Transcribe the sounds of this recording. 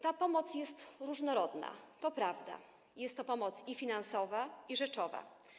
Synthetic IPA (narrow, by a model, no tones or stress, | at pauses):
t̪apɔmɔt̪sjɛst̪ɾuʐnɔɾɔd̪na̰t̪ɔpɾavd̪a̰ | jɛst̪ːɔpɔmɔt̪sifʲinansɔvaiʐɛt͡ʂɔva̰